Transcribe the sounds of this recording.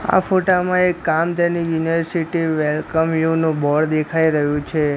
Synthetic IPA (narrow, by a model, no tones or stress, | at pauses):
a̰foʈamãekːamt̪ẽnijuniʋəɾsiʈiʋelkəmjunubʱɔɽd̪ekʰaiɾəɦjũt͡ʃʰe